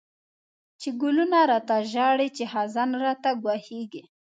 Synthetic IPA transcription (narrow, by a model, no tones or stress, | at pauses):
t͡ʃeɡʊlunaɾɑt̪aʒɑɽit͡ʃehazɑnɾɑt̪aɡwɑheɡi